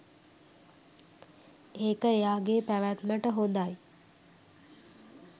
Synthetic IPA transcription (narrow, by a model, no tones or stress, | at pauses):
eːkəejaːɡeːpæʋæt̪məʈəɦond̪aj